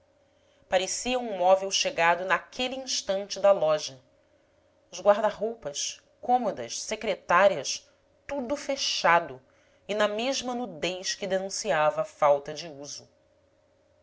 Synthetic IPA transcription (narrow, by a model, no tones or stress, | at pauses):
paɾesiɐũmɔvewʃeɡad̪ʊnakʰeliĩʃt̪ɐ̃nt͡ʃɪd̪ɐlɔʒɐ | ʊzɡwaɾd̪ɐɦowpɐʃ | kõmod̪ɐʃsekɾet̪aɾiɐʃ | t̪ud̪ʊfeʃad̪ʊ | inɐmeʒmɐnud̪ejʃkɪd̪enũsiavɐːfawt̪ɐd͡ʒɪuzʊ